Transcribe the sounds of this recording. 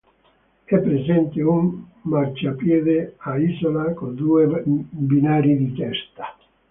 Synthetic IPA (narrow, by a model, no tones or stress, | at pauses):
ɛpːɾezɛnt̪eumːart͡ʃapjɛːd̪eaizolakond̪uːebinaːɾid̪it̪ɛst̪ḁ